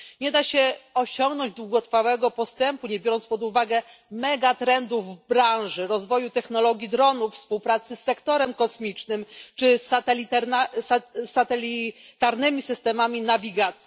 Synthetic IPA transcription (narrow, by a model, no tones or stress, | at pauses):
ɲɛd̪aɕɛɔɕɔŋɡnɔɲd͡ʑd̪wuɡɔt̪fawɛɡɔpɔst̪ɛmpuɲɛbʲjɔɾɔnt̪pɔd̪uvaɡɛ | mɛɡat̪ɾɛnd̪uvbɾãʐɘɾɔzvɔjut̪ɛxnɔlɔɡʲid̪ɾɔnuffspuwpɾat̪sɘsːɛkt̪ɔɾɛmkɔsmʲit͡ʂnɘmt͡ʂɘsat̪ɛlʲit̪aɾnasasːat̪ɛlʲit̪aɾnɘmʲisɘst̪ɛmamʲinavʲiɡat̪sʲi